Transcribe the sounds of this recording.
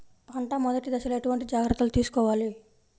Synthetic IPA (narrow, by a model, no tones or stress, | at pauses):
ɐɳʈaːmɔd̪ɐʈid̪ɐʃɐleʈuʋɐɳʈid͡ʒaːɡɾɐt̪ːulut̪iːsu̥kɔːʋaːli